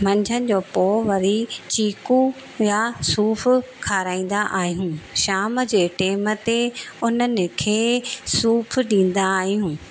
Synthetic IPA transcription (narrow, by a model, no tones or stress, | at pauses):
mɐ̃ɲd͡ʑʱənɪ̆d͡ʑoːpoːʋɐɾit͡ɕiːku | jasuːfʰ | kʰaːɾaːĩːn̆d̪aʔaːɦijũːʃaːmd͡ʑeːʈeːmət̪eʊnənɪ̆kʰeːsuːpʰɗĩːn̆d̪aːɦijũː